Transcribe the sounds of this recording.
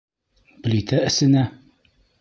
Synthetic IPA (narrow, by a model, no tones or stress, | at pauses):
b̥ɘ̆lʲit̪ʰæɘ̆sɘ̆næ